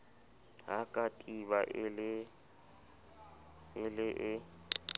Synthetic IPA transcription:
ɦakʼatʼiβaʔɪlɪ | ɪlɪʔɪ

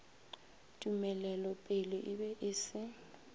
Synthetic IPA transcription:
tʼumɛlɛlɔpʼɪlɔʔɪbɛʔɪsɪ

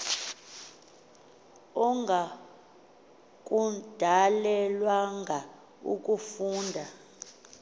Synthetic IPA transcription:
ɔŋɡʱa | k̬ʼud̥ʱalɛlwaŋɡʱa | ṵk̬ʼufuːndʱa

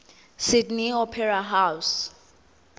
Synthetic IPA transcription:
sidniɔpʰɛɹaɦaws

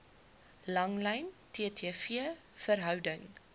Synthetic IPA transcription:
lɐŋlɛjntʰeətʰiəfiə | fəɾɦœwdəŋ

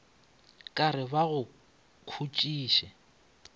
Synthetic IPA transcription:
kʼaɾɪbaɣʊ | kʰut͡ʃʼiːʃɛ

